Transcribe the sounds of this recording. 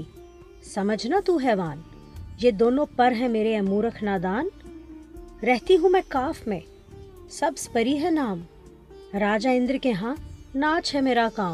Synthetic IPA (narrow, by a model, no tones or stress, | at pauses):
sɐməd͡ʒʱnat̪uːɦɛːʋaːn | jeːd̪oːnõpɐɾɦɛ̃meːɾeɐmuːɾəkʰnaːd̪aːn | ɾɛɦt̪iɦũmɛ̃kaːfmẽ | sɐbspəɾiɦɛnaːm | ɾaːd͡ʒaːɪ̃nd̪ɾkeɦãnaːt͡ʃʰɦɛmeːɾakaːm